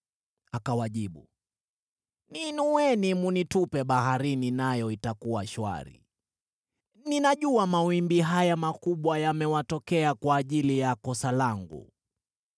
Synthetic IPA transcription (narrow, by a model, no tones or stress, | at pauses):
akawaʄiɓu | ninuwɛnimunitupɛɓahaɾininajɔitakuwaʃwa̰ɾḭ | ninaʄuamawimbiɦajamakuɓwajamɛwatɔkɛakwaːʄilijakɔsalaŋɡṵ